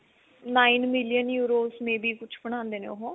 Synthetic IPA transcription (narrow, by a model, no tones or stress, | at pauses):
naːiːnmɪlɪjənjuːɾoːsmẽːbiːkʊt͡ʃʰpəɳ̃ãːnd̪eːnḛːoɦõː